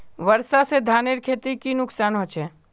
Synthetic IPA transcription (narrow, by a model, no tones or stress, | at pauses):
ʋəɾsased̪ʱaːneɾkʰeːt̪ikinʊksaːnɦot͡ʃʰɛː